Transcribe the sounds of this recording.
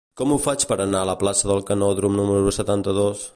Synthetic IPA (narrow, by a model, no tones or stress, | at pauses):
kɔmufat͡ʃpəɾənaələplasəðəlˠkənɔðɾumnuməɾusət̪ant̪əðos